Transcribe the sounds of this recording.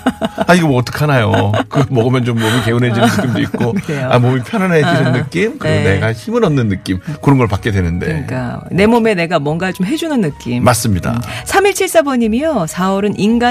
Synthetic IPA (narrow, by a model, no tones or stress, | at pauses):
aiɡʌmːt͈ɯ̥kʰanajokɯmʌɡɯmjʌnt͡ɕomːomike̞unɦe̞d͡ʑinnɯkɯk͈imdoik̚k͈okea̰momipʰjʌnɦaneɕiɯnːɯk͈imkɯɾiɡone̞ɡaçimɯɾʌnːɯnːɯk͈imkɯɾʌnɡʌɭpak͈̚e̞dwenɯnde̞ik͈ane̞mʌme̞ne̞ɡamwʌŋɡat͡ɕomɦe̞d͡ʑunɯnːɯk͈immas͈ɯmɲida̰sʰamiɭt͡ɕʰiɭs͈abʌɲimijosʰaʌɾɯnʔinɡa